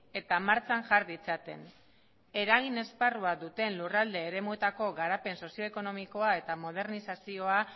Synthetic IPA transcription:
e̞t̪amaɾt͡sanʝaɾðit͡sat̪e̞̰n | e̞ɾaɣ̞ine̞sparuaðut̪e̞nlurald̪e̞ːɾe̞mue̞t̪ako̞ɣaɾape̞nso̞sio̞eko̞no̞miko̞ae̞t̪amo̞ð̞e̞ɾnisasio̞a

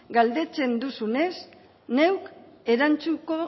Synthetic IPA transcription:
ɡald̪e̞t͡se̞nd̪usune̞s | ne̞wk | e̞ɾant͡suko̞

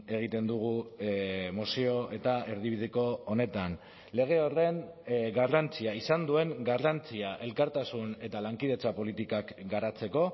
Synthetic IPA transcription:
e̞ɣ̞it̪e̞nd̪uɣ̞u | mosio̞ʔet̪ae̞ɾðiβ̞ið̞eko̞ːne̞t̪an | le̞ɣ̞e̞o̞re̞nɡarant͡siaisand̪ue̞ŋɡarant͡siaʔe̞lkaɾt̪asune̞t̪alaŋkiðe̞t͡sapo̞lit̪ikakɡaɾat͡se̞ko̞

